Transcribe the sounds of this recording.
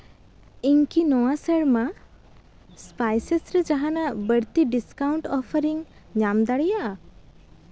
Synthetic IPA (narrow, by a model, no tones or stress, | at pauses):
iŋkinɔwasəɽma | spajsesɾɛd͡ʒaɦanabəɽt̪iɖiskawɳʈɔpʰəɾiŋ | ɲamd̪aɽijaʔa